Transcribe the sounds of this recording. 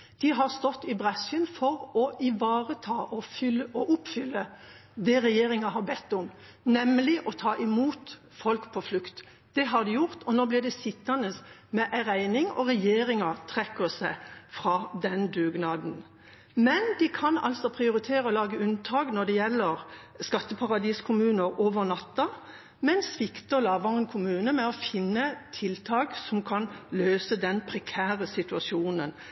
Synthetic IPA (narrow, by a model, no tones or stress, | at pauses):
d̪̥ɪɦɑʁst̪ɔt̪ːɪbʁɛsənfɔɾɔɪʋɑːʁət̪ʰɑːʔɔfɔʔʊpfʏlːə | d̪ɛɾɛjeːɾɪŋɑɦɑɾbɛt̪ːʊm | nɛmːlɪʔɔt̪ʰɑːʔɪmuːt̪ | fɔlkpʰɔflʉkt̪ | d̪̥ɛɦɑd̪ɪjʊʁt̪ɔnoːblɪd̪ɛsɪt̪ːɑnəsmɛʔæɾæɪnɪŋɔ̰ʁɛjeːɾɪŋɑt̪ʰʁɛkːəsəfɾɑːd̪ɛnd̪ʉːɡnɑːd̪n̩ | mɛnd̪ɪkʰɑnɑ̰lsɔpʰʁɪʊɾɪt̪ʰeːɾəɔlɑːɡəʉnt̪ʰɑːknɔd̪ɛjɛlːəɾ | skɑt̪ːəpʰɑʁɑd̪iːskʰʊmʉːnəɾoːʋəʁnɑt̪ːɑ | mɛnsʋɪkt̪əlɑːʋɑʁənkʰʊmʉːnəmɛɔfɪnːət̪ʰɪlt̪ʰɑːɡsɔmkʰɑnløːsəd̪ɛnpʰɾɛkʰæːʁəsɪt̪ʉɑsjuːnən